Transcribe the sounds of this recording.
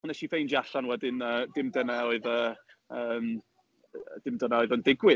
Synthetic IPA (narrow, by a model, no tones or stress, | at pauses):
nɛʃivejnd͡ʒiaɬanwɛdɪnəːdɪmdənɛɔɨðəːəːm | d̥ɪmdənɛɔːɨðɔndɪɡwɪ